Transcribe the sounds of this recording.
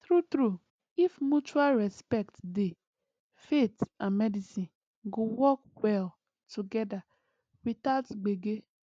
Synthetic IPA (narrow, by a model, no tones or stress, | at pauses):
tɾutɾu | ifmut͡ʃualɹɛspɛktde | fetãnmɛdisĩn | ɡowɔkwɛl | tuɡɛda | witaʊtɡ͡beɡe